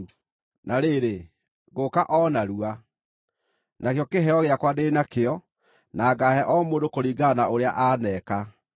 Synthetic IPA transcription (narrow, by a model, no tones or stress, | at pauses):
naɾeɾe | ɣokaʔɔnaɾua | nakejɔkeɦɛɔɣeakwadenakeɔ | naːɡaɦɛʔɔmoːdokoɾiːɡanaoɾea̰ʔanɛka